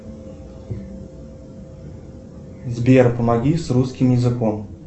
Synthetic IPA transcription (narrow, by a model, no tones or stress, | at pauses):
zbʲeɛrpunaɡʲisruskʲimjɪzɨkɔm